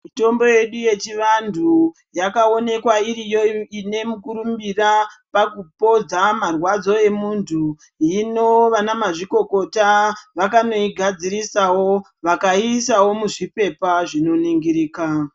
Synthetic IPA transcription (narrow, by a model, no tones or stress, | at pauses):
muto̞mbo̞je̞ɗuje̞t͡ʃiʋandʱu | jakao̞ne̞kwairijo̞ine̞mukuɾumbirapakupo̞d͡zamarwad͡zo̞e̞muntʰu | ino̞ʋanamaʐiko̞ko̞taʋakano̞iɡʱad͡ziɾisawo̞ | ʋakaisawo̞muʐipe̞paʐino̞niŋɡiɾiːka